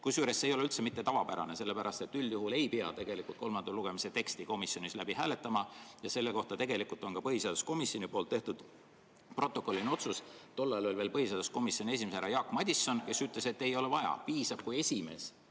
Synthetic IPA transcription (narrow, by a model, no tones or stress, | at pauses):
kusjuːɾe̞sːe̞jolylt̪se̞mit̪ːe̞t̪ɑvɑpæɾɑ̰ne̞se̞lːe̞pæɾɑst̪e̞t̪ːˑylːjuɦule̞jpiɑ̰t̪e̞ɡ̥e̞likˑult̪̚ko̞lmɑnd̪̥ɑluɡ̥e̞mise̞t̪e̞kst̪iko̞misjo̞nislæbiɦæːle̞t̪ːˑɑmɑjɑse̞lːeko̞ht̪ɑt̪e̞ɡe̞likult̪ˑo̞nkɑpɤhiseɑd̪usko̞misjo̞nipo̞ːlt̪ːeht̪ud̪̥ | pro̞t̪ːˑo̞ko̞lːino̞t̪sust̪o̞lːɑlo̞lʲve̞ːlpɤhiseɑd̪usko̞misjo̞nʲie̞s̬ʲimeseæɾɑjɑːkːˑmɑd̪̥ʲisːo̞nke̞syt̪ˑle̞se̞t̪ːe̞jo̞levɑjɑ̰piːsɑb̥̚kuje̞sʲime̞̰s